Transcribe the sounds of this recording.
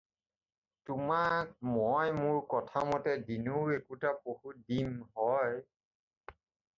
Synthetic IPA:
tʊmak̚mɔjmʊɹkɔtʰamɔtɛdinuwekutapohudinhɔj

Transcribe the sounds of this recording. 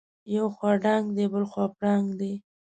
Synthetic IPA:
jawxwɑɖaŋɡd̪ebəlxwɑpɽɑŋɡd̪e

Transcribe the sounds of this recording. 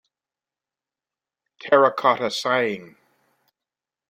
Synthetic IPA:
tʰɛɹəkʰɑɾəsaɪɪ̃ŋ

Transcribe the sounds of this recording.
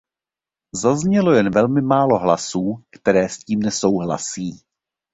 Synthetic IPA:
zazɲɛlo̞jɛnvɛlmɪmaːlo̞ɦla̰suːkt̪ɛɾɛːsciːmnɛso̞wɦla̰siː

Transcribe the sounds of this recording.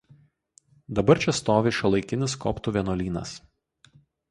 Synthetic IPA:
d̪ɐbɐɾʲt͡ʃʲɛst̪oːʋʲeʃʲɐlˠɐɪkʲɪnʲɪskɔːpt̪uːʋʲiɛnoːlʲiːnɐ̰s

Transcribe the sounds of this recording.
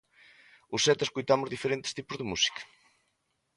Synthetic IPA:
ʊsːɛt̪ɪskojt̪amʊzðifeɾent̪ɪ̥st̪ipʊzðemusi̥kɐ̥

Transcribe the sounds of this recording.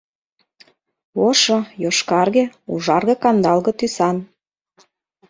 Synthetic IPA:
oʃɤjoʃkɑrɣĕṵʒɑrɣɤ̆kɑnd̪ɑlɣɤ̆t̪ysɑn

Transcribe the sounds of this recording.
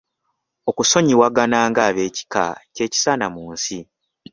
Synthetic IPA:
o̞kuso̞ɲiwaɡanaːŋɡaːβe̞ːci̥ka̰ce̞ːci̥sanamuːnsi

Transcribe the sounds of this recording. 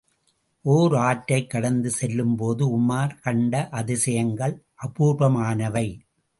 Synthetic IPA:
ʔoːɾaːʈːɐɪkːɐɽɐnd̪ɯsɛlːɯmpoːðɯʊmːaːɾkɐɳɖɐʔɐðɪsɐjɐŋɡɐɭʔɐpuːɾbɐmaːnɐʋɐɪ

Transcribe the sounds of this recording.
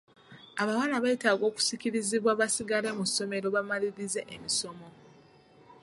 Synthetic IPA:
aβawalaβaitaːɡo̞ːku̥siciɾiziβwaβasiɡale̞muso̞me̞ɾo̞βamaliɾize̞ʔemiso̞mo̞

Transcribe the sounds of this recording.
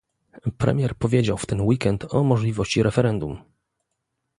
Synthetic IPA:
pɾɛ̰mʲjɛɾpɔvʲjed͡ʑawft̪ɛnwikɛnt̪ʰɔmɔʐlʲivɔɕt͡ɕiɾʔɛfɛɾɛnd̪um

